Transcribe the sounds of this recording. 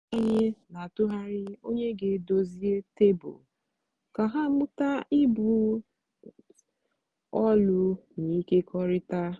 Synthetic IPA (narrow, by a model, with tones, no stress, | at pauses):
a˦ɲe˦na˨tʊ˦ɦa˦ɾɪ˦o˦ɲe˦ɡe˦do˦zi˦e˦te˦bʊ̰˨ | ka˨ɦa˦mʊ˦ta˦ɪ˦bu˦ | ɔ˦lʊ˦ni˨˦ke˦kʰɔ˦ɾɪ˦ta˦